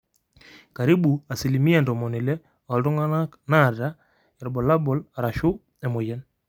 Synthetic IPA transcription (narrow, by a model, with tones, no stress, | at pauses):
ka˨ɾi˦bu˨a˨si˨li˨mi˦a˨ndɔ˨mɔ˨ni˨lɛ˦ | ɔ˨ldɔ˦ŋɡa˦na˦ | na˦˨ɾa˦ | ɛ˨ɾbɔ˨la˦bɔ˨la˨ɾa˨ʃʊ˦ | ɛ˨mo˨jɛ˦n